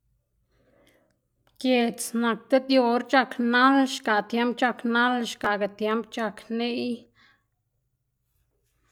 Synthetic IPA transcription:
kje˧˨t͡sna˨k̚t̪e˦d̪jo˧ɾt͡ʃa˧kna˦lʃka˨t̪je˧˦mp̚t͡ʃa˧kna˦lʃka˨ɡa˨t̪je˧˦mpt͡ʃa˧kni˦j

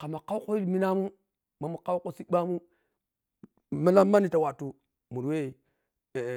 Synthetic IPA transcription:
ka˨ma˨ka˦wko˦i˦lmi˦na˦mu˦ | ma˨mu˨ka˦wko˦si˦ɓa˦mu˦ | ma˦la˦mːa˦ni˦˨ta˨wa˨tu˨ | mu˨ɾwe˦˨

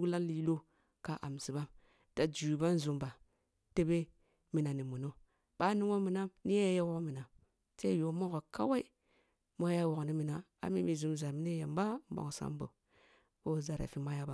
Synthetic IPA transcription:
la˦nli˦lo˦ | ka˨ʔa̰˨msi˨ba˦m | ta˨d͡ʒu˨ba˦nzu˨mba˨ | te˦be˦ | mi˨na˨ni˨mu˨no˦ | ɓ̥a˦ni˦ŋo˦mi˨na˦mni˦a˦ja˦wo˦kmi˨na˨ | se˦jo˨˦mo˦ko˨ka̰˦wa˦i˦ | mo˦ja˦wo˨kni˦mi˨na˨a̰˨mḭ˦mi˨zu˨mza˨ɾmi˦n˦e˦ja˨m˦ba˦m˦bo̰˨ksa̰˦mbo̰˨ | o˦za˨ɾa̰˨fi˨˦ma˦ja˦ba˨

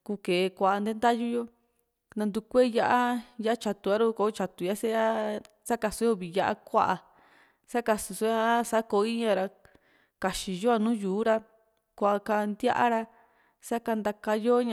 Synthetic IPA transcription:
ku˧ke˨˧kʷa˧˨a˧nd̪e˦nd̪a˦ju˦jo˦ | nã˧nd̪u˧kʷe˦ja˧ʔa˦ja˦a˦t͡ʃa˧t̪u˨˧a˦ɾu˦ko˨˦t͡ʃa˧t̪u˨ja˦se˦a˦ | sa˦ka˧so˧˦jo˧˦βi˨ja˧ʔa̰˦kʷa̰˦ʔa˧ | sa˦ka˧su˧so˧˦a˦˧˦sa˦ko˧˦i˦ɲã˧ɾa˧ | ka˨ʃi˧jo˦a˧nũː˦juː˨˦ɾa˧ | kʷa˨ʔa˧ka˧nd̪ja̰˦ʔa˦ɾa˧ | sa˦ka˧nd̪a˧ka˧jo˦ɲã˧

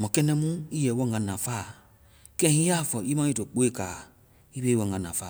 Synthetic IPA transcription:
mɔ̃˨kɛ˦nɛ̃˧˦mũ˦i˦jɛ˨wɔ̃˧˨ɡã˧˨nã˨faː˦˨ | kɛ̃˦ĩ˦ja˦˨fɔ˨i˦mã˦i˦to˨k͡po˦e˦˨kaː˨ | i˦be˧˦wɔ̃˧˨ɡã˧nã˨faː˦˨

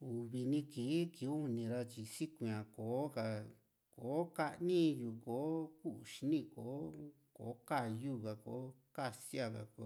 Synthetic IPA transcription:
u˨βi˧nĩ˧kiː˨˦ki˨˦u˦˧nĩ˧ɾa˧t͡ʃi˧si˦kũ˧ã˨koː˨˦ka˧ | koː˨˦ka˦˧ʔnĩ˦ju˧˨koː˨˦ku˦ʔu˨ʃi˧nĩ˧˨koː˨˦ | ko̰˨˦ka˦˨ju˦˨ka˧ko̰˨˦ | ka˦˧si˦a˧˨ka̰˨ko˨˧˦

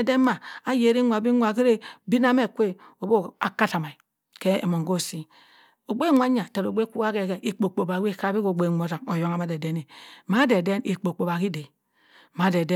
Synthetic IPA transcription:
de˦ma˨a˦je˨ɾi˦ŋʷa˨bi˦ŋʷ˦a˨ki˦ɾe˦bi˦na˦me˦˨kʷe˦o˨bo˦a˨ka˦ta˨ma˨i˨ | ke˦ḛ˨mo˨ŋɡo˦˨si˦ | o˨ɡ͡be˦ŋʷ˦a˦ɲa˨ta˨ɾo˨ɡ͡be˦ku˦a˦ke˨ke˨ʔi˨k͡po˨k͡po˨ba˨˦i˦˨ka˦bi˦ko˨ɡ͡be˦˨ŋʷo˦ta˨ŋo˨jo˦ŋa˦ma˦de˨de˦ne˨ma˦de˨de˦ni˨k͡po˨k͡po˨ba˨ki˦de˨ | ma˨˦de˨d

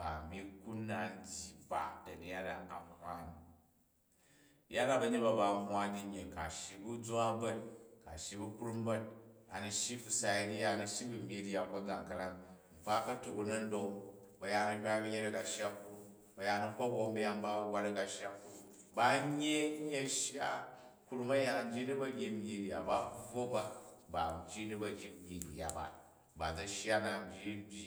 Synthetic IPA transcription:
b̥a̰˨bi˦ku˦nːa˨n̩˦dʲi˦ba˨dɐ˨di˨ja˦da̰˨ka̰˨hʷa˦ni˨ | ja˦da˦˨bɐ˧ɲe˦tba˨ba˨ɦwa˦di˦ɲe˨ka˨ʃi˨bu˦d͡zʷa˦bɐ˦t̚ka˨ʃi˧bu˦kɾu˦m˦bɐ˦t̚a̰˨nɐ˨ʃi˦ku˨sa˨jdi˦ja˦nɐ˨˧ʃi˦bu˨mʲi˦di˦a˨ko˦d͡za̰˨ŋ˨kɐ˧ɾa˦ŋŋ͡m̩˨k͡pa˦kɐ˦to˨bu˨nɐ˦n̩˦do˦˧ŋ | bɐ˨ja˨˧nɐ˧hʲʷa˦bi˦ɲe˦ɾɐ˦ka˨ʃja˦ku˦ɾu˦ | bɐ˨ja˨˧nɐ˦˧ɸo˦bo˨m˦bi˦ja˦ŋba˦wa˦ɾɐ˦ka˨ʃja˦kːu˦ | ba˨˦ɲː˦e˦ɲe˦ʃja˦ku˦ɾu˦mɐ˦ja˨na˨m˦d͡ʒʲi˦ni˦bɐ˦ɡʲi˨˦mʲi˨di˨ja̰˨ba˨˦ɡo˦ba˨ba˨m˨d͡ʒʲi˦ni˦bɐ˨ɡʲi˦i˨di˨ja̰˨ba̰˨ | ba˨d͡zɐ˦ʃja˦na˨m˨bʲi˦bʲi˦

